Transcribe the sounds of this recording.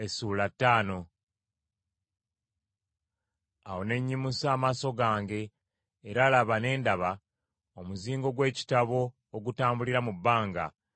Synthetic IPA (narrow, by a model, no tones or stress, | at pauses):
esuːlatːaːno̞ | awo̞ne̞ɲːimusaːmaso̞ɡaːŋɡe̞ː | ɾaːlaβane̞ːndaβa | omuziːŋɡo̞ɡwe̞ːci̥taβo̞ː | ɡutaːmbuliɾamubːaːŋɡa̰